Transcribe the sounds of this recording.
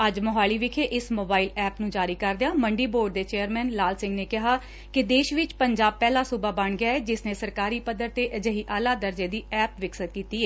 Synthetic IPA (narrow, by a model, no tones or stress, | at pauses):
əd͡ʒmʊɦaːɭiːʋɪkʰeːʔɪsmoːbaːiːlɛːpnũːd͡ʒaːɾiːkəɾd̪ejaːməɳɖiːboːɾɖd̪eːt͡ʃeːəɾmɛːnlaːlsɪ̃ŋɡneːkɪɦaː | kɪd̪eːʃʋɪt͡ʃpəɲd͡ʒaːb̚pɛːlaːsuːbaːbəɳɡɪjaːɛːd͡ʒɪsneːsəɾkaːɾiːpəd̪əɾt̪eːʔəd͡ʒəɦiːʔaːlaːd̪əɾd͡ʒeːd̪iːɛːpʋɪksət̪̚kiːt̪iːɛː